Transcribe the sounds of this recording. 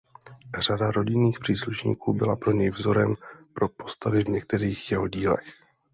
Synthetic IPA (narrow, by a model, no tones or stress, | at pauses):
r̝̥adaɾo̞ɟɪniːxpr̝̥iːsluʃɲḭːkuːbɪlapɾo̞ɲɛjvzo̞ɾɛmpɾo̞po̞st̪avɪvɲɛk̚t̪ɛɾiːxjɛɦo̞ɟiːlɛ̰x